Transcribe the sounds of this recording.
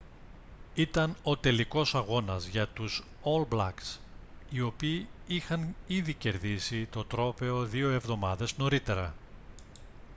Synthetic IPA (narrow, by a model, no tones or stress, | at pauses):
it̪ɐno̞t̪e̞liko̞sɐɣo̞nɐzʝɐt̪us | olblɐ̰ksio̞piːixɐniðice̞ɾðisit̪o̞t̪ɾo̞pe̞o̞ðio̞e̞vðo̞mɐðe̞zno̞ɾit̪e̞ɾɐ